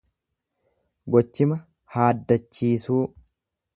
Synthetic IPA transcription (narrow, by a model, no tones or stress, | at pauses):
ɡɔt͡ʃːɪmɐ | haːd̪ːɐt͡ʃːiːsuː